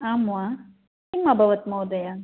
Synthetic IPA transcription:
aːma | imɐbʱɐʋɐt̪mɐwd̪ɐja

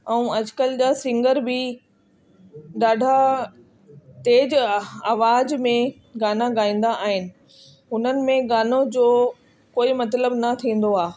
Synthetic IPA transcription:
ɛ̃ũɐd͡ʑkəld͡ʑaːsɪ̃ŋɡəɾbɪ | ɗaːɖʱa | t̪eːd͡ʑaːʋaːd͡ʑmẽ | ɡaːnaɡaːĩːn̆d̪aʔaːɦɪnɪ̆ | ʊn̤ənɪ̆mẽɡaːnod͡ʑoː | koːimɐt̪ləbnɐt̪ʰĩːn̆d̪oaː

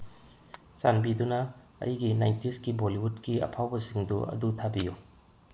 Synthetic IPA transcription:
t͡ʃanbidunɐ | ɐ̰jɡinajntiskiboliɦut̚kiɐ̰pʰawbɐsiŋduɐ̰dutʰabiju

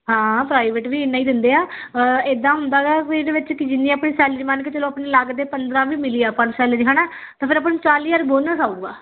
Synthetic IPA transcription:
ɦãːpɾaːiʋeːʈʋiːɪnːaːiːd̪ɪnd̪eːaː | eːd̪ãːɦʊnd̪aːɡaːkeɖeːʋɪt͡ʃkɪd͡ʒɪnːĩːəpɳeːsɛːlɾimaːnket͡ʃəloːpɳeːlaɡd̪eːpənd̪ɾãːʋiːmɪliːaːpəd͡ʒsɛːlɾiɦãːnaː | t̪ãːpʰɪɾəp̬aːnt͡ʃaːliːəɾboːnaːsaːuːɡa̰ː

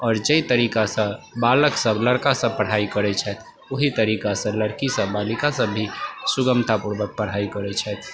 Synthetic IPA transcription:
ɔːɾd͡ʒəit̪əɾikasə̃baləksəbləɽkasə̃pəɽ̤aikəɾɛt͡ʃʰɛt̪ʰ | oɦit̪əɾikasə̃ləɽkisə̃balikasə̃bʱːisuɡəmt̪ʰapuɾbək̚pəɽ̤aikəɾɛt͡ʃʰɛt̪ʰ

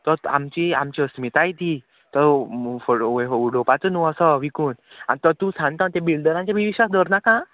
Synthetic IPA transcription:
t̪əɾa̰mt͡ɕiamt͡ɕiəsmit̪ajt̪i | t̪əɾfoeuɽopat͡sənuəsəʋikuːna̰nit̪ət̪ũsãnt̪ãnt̪ebilɖəɾãɲt͡ɕjaʋiʋiɕasd̪ʱɔɾnakã

